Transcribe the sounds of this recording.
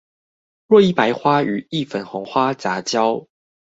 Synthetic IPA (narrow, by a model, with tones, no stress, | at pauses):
ɻwɔ˥˧i˥˩pa˧˥ɪxwa˦˥y˨˩i˥˨fə˨˩nxɔ˨˧˥ŋxwa˥t͡sa˨˥˦t͡ɕjɑ˥˦ʊ